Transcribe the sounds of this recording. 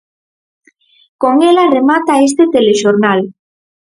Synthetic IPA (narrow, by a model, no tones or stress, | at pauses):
koŋelaremat̪aes̬t̪et̪eleʃoɾnal